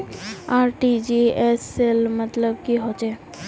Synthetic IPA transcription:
aɾʈid͡ʒieselmət̪ləbkiɦot͡ʃe

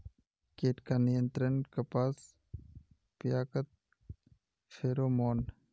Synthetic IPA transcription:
keːʈkaːnijənt̪ɾənkɐpaːs | pjaːkət̪̚ | fʰeːɾoːmoːn

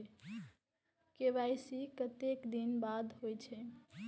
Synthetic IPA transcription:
kebajsikət̪ekd̪inbad̪ɦojt͡ʃʰɛ

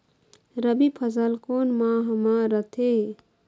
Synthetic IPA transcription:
ɾəbipʰəzəlkoːnmãɦəmãɾət̪ʰe

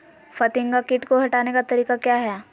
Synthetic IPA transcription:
fɐt̪ɪ̃ŋɡakɪʈkoɦɐʈaːnekat̪ɐɾiːkakjaːɦɛː

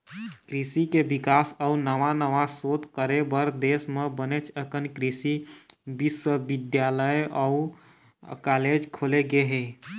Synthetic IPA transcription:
kɾisikebɪkaːsɔʊnəʋanəʋasoːt̪kəɾebəɾd̪eːsmebənet͡ʃʰəkənkɾisibɪswəbɪd̪jaːləjɔu | kaːleːd͡ʒkʰoːleɡeɦɛː

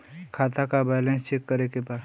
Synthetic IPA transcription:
kʰaːt̪akabaɪlẽnst͡ʃeːkːəɾekepaːs

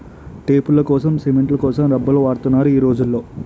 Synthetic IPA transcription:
ʈe̞ːpulːɐkɔːsɐmsemeɳʈlɐkɔːsɐmɾɐbːɐloʋaːɾt̪unːaːɾuiːɾo̞ːd͡ʒulːo̞ː

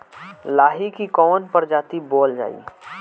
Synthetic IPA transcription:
laːɦikikɔːnpɐɾd͡ʒaːt̪ibɔːld͡ʒa̰ːḭː

